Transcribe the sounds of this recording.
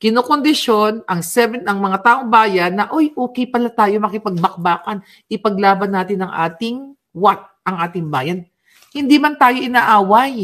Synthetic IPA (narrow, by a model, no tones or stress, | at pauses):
kɪnoːkond̪ɪʃo̞nɐŋsɛvɛnɐŋmɐŋat̪aːʔoŋbaːjɐnːɐʔojʔoːkɛjpɐlat̪aːjo̞mɐkɪpɐɡ̚bɐk̚baːkɐn | ʔɪpɐɡ̚laːbɐnːaːt̪ɪnɐŋʔa̰ːt̪ɪŋ | wat̪̚ʔɐŋʔaːt̪ɪŋbaːjɐn | hɪnd̪iːmɐnt̪aːjo̞ʔɪnaʔaːwɐj